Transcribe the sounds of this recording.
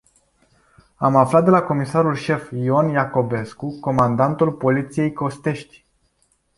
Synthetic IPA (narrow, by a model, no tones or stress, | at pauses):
amaflat̪̚d̪e̞lako̞misaɾulʃe̞fio̞njako̞be̞skuko̞mand̪ant̪ulpo̞lit̪sije̞jko̞st̪e̞ʃt̪ʲ